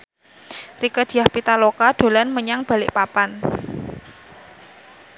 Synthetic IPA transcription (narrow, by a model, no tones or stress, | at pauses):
rikəd̪̥i̤jahpit̪alokad̪̥o̤lanməɲaŋb̥a̤lɪʔpapan